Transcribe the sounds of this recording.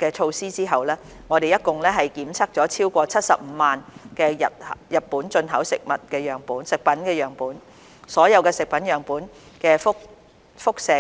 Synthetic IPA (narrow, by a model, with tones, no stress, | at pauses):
kɛː˧t͡ʃʰo˧wsiː˥t͡siː˥ɦɐ˨wlɛː˥ | ŋɔː˨˧ɾe˨jɐ˥t̚kʊ˨ŋlɛː˥ɦɐ˨jkiː˨˥mt͡sʰɐ˥k̚t͡sɔː˨˥t͡sʰiː˥wkʷɔː˧t͡sʰɐ˥t̚sɐ̰˨p̚m̩ː˨˧˦maː˨nkɛː˧jɐ̰˨t̚hɐ˨jɐ˨t̚puː˨˥nt͡ʃɵ˧nɦɐ˨˥wsɪ˨k̚mɐ˨t̚kɛː˧jœː˨ŋpuː˨˥nsɪ˨k̚pɐ˨˥nkɛː˧jœː˨ŋpuː˨˥n | sɔː˨˥jɐ˨˧wkɛː˧sɪ˨k̚pɐ˨˥njœː˨˩ŋpuː˨˥n | kɛː˧fʊ˥k̚ | fʊ˥k̚sɛː˨˩